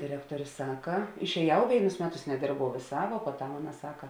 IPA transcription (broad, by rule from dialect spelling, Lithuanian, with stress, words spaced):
dʲɪˈrʲæːktuɔrʲeː ˈsɑːkɐ ɪʃʲɛːˈjɛʊ ˈʋʲeːɪnʊs ˈmʲæːˌtʊs nʲɛˈdʲeːrbɐʊ ʋʲeːˈsɑː ʋuɔ puɔˈtɐm ˈɑːˌnɐ ˈsɑːkɐ